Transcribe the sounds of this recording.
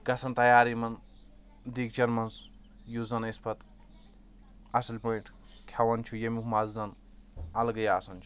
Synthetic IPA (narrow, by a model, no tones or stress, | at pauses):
ɡɐsʰɐnt̪ɐjaːɾimɐn | d̪ik̚t͡ʃɐɾmɐns | juzɐnespʰɐt̪ | ɐsɐlʲpoiʈʰ | kʰawɐnt͡ʃʰujemukʰmazzɐn | ɐlɡɐjaːsɐnt͡ʃʰu̥